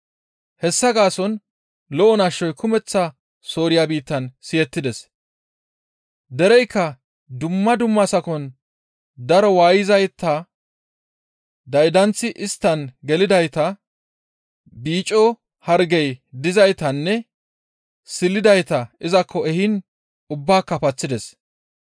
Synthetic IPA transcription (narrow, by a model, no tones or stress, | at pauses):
hɛsːɐɡaːsɔn | lɔʔɔnɐʃːɔjkʰʊmɛt͡sːɐ | so̞ːɾɪjabiːt̪ːɐnsɪjɛt̪ːɪd̪ɛs | d̪ɛɾɛjkːɐ | d̪ʊmːɐd̪ʊmːɐsɐkɔn | d̪ɐɾɔwaːjɪzɐjt̪ːɐ | d̪ɐjd̪ɐnt͡sːɪʔɪst̪ːɐnɡɛlɪd̪ɐjt̪ɐ | biːt͡ʃʼːɔ | hɐɾɡɛjd̪ɪzɐjt̪ɐnːɛ | sɪlːɪd̪ɐjt̪ɐɪzɐkʰːɔɛhɪn | ʊbːaːkːɐpɐt͡sːɪd̪ɛs